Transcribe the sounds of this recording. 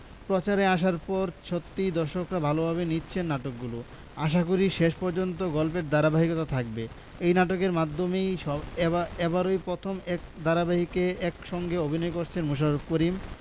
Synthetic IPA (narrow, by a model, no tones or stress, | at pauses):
pɾot͡ɕaɾeaʃ̬aɾpɔɾt͡ɕʰot̪ːid̪ɔɾʃokɾabʱalobʱaβenitːɕʰenːaʈok̚ɡulo | aʃ̬akuɾiʃeʃpɔɾd͡ʑont̪̬oɡɔlpeɾd̪aɾabaɦikot̪at̪ʰak̚be | ejnaʈ̬okeɾmad̪ʱːomejɔɛbaɾojpɾot̪ʰomɛk̚d̪aɾabaɦikeɛkʃɔŋɡeobʱinɔekoɾt͡ɕʰenmuʃ̬aɾob̚koɾim